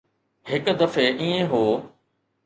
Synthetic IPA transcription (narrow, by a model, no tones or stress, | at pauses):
hɪkd̪ɐfeʔiːẽɦoː